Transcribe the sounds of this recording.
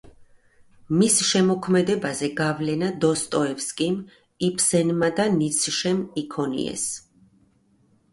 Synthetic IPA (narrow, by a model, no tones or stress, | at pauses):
misʃɛmɔkʰmɛd̪ɛbazɛɡavlɛnad̪ɔst̪ʼɔɛpskʼim | ipʰsɛnmad̪anit̪sʰʃɛmikʰɔnḭɛ̰s